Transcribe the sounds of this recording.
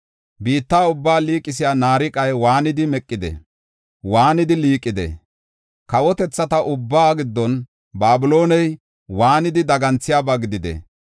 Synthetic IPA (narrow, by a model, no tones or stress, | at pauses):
biːt̪ːaːʊbːaːliːkʼːɪs̬ɪjaːnaːɾɪkʼɐjwaːnɪd̪ɪmɛkʼːɪd̪ɛ̰ | waːnɪd̪ɪliːkʼːɪd̪ɛ̰ | kɐwɔt̪ɛt͡sːɐt̪ɐʔʊbːaːɡɪd̪ːɔn | baːbɪlo̞ːnɛj | waːnɪd̪ɪd̪ɐɡɐnt͡sːɪjaːbaːɡɪd̪ɪd̪ɛ̰